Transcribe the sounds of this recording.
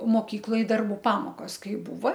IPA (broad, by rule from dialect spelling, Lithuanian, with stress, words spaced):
moːˈkʲiːklˠoːj dɐrˈbuː ˈpɑːmoːkoːs ˈkɐɪ ˈbuːʋɐ